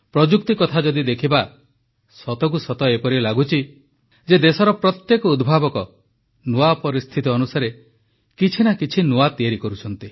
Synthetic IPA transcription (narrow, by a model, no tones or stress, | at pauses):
pɾɔd͡ʒuk̚t̪ikɔt̪ʰad͡ʒɔd̪id̪ekʰiba | sɔt̪ɔk̬usɔt̪ɔepɔɾilaɡut͡ʃʰi | d͡ʒed̪esɔɾɔpɾɔt̪jekɔud̪bʱabɔkɔ | noapɔɾist̪ʰit̪iɔnusaɾe | kit͡ʃʰinakit͡ʃʰinoat̪ieɾikɔɾut͡ʃʰɔnt̪i